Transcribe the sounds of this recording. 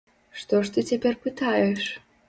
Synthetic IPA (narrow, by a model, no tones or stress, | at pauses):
ʂt̪oʂt̪ɨt͡sʲepʲerʲpɨt̪ɑjɛʂ